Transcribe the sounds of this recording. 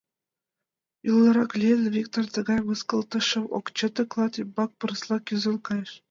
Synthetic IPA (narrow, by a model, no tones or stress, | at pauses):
julˠːɤ̆ɾɑklʲelʲvʲik̚t̪ort̪ɤ̆ɡɑjmɯskɤ̆lˠt̪ɤʃɤ̆wo̰kt͡ɕɤt̪ɤ̆klˠɑt̪ibɑk̚pɤ̆ɾɤ̆slˠɑkʲyzɤ̆lˠkɑjʃ